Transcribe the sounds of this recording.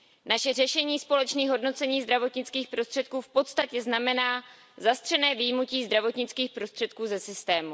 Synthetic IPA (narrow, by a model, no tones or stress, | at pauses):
naʃɛr̝ɛʃɛɲiːspo̞lɛt͡ʃniːɣɦo̞dno̞t͡sɛɲiːzd̪ɾavo̞t̪ɲɪt͡skiːxpɾo̞st̪r̥ɛt̪̚kuːfpo̞t̪st̪acɛznamɛnaː | zast̪r̝̥ɛnɛːvijmuciːzd̪ɾavo̞t̪ɲɪt͡skiːxpɾo̞st̪r̥ɛt̪̚kuːzɛsɪst̪ɛːmu